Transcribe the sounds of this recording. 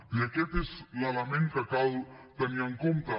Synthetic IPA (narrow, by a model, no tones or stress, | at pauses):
bjaket̪eslalamenk̪akalt̪aniaŋkomt̪a